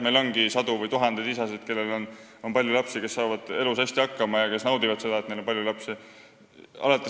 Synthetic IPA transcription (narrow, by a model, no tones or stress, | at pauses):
me̞jlo̞nɡisɑd̪̥uvɯjt̪uɦɑnd̪̥ed̪isɑsed̪̥ke̞lːe̞lo̞n | o̞npɑlʲjulɑpsike̞sːɑːvɑd̪̥e̞lusæsʲt̪iɑkːɑmɑjɑke̞snɑwd̪ivɑd̪̥se̞d̪ɑet̪nelompɑlʲjulɑpse | ɑ̰lɑt̪ːˑe